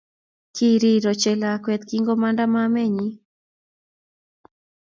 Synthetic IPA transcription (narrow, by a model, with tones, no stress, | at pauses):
ki˦ɾi˦ɾɔ˨t͡ʃɛ˨lakwɛt̪kiŋɡo˦ma˦nda˦mame˦ɲi˦